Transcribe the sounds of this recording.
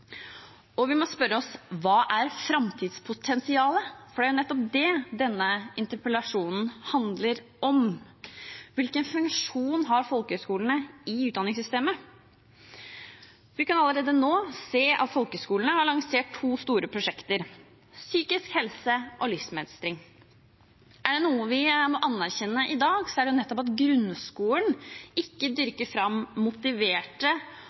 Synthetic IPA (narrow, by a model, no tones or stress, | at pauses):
ɔʋɪmɔspœɾəɔsʋɑːʔæɾfɾɑmt̪ʰiːd̪spʰʊt̪ʰɛnsɪɑːləfɔɖæɾjʊnɛt̪ːɔpd̪ɛd̪ɛnːəɪnt̪əɾpəlɑʂuːnn̩hɑnd̪ləɾ | ɔm | ʋɪlkənfʉŋkʂuːnɦɑɾfɔlkəœskuːlənəɪʉːt̪d̪ɑnɪŋsʏst̪eːmə | ʋɪkɑnɑləɾeːd̪ənoːseːʔɑ̰t̪fɔlkəskuːlənəhɑɭɑŋseːʈʰːuːst̪uːɾəpʰɾʊʂɛkt̪əɾ | syːkɪskhɛlsəʔɔlʏfsmɛ̰d̪st̪ɾɪŋ | ʔæɖɛnuːəʋɪmɔʔɑnːæɾçɛnːəʔɪd̪ɑːɡsɔæɖɛjʊnɛt̪ːɔpɑt̪ɡɾʉnskuːəɳɪkːəd̪ʏɾkəɾfɾɑmːʊt̪ɪʋeːʈə